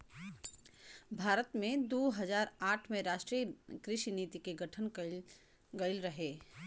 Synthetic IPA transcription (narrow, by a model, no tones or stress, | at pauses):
bʱaːɾət̪mẽd̪oːɦɐzaːɾaːʈʰmẽɾaːʃʈɾijəkɾɪʃiniːt̪ikeɡɐʈʰən | ɡɐɪlɾɐɦeː